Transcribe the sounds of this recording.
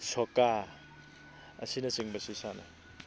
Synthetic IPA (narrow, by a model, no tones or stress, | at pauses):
soka | ɐ̰sinɐsiŋbɐsisanɐ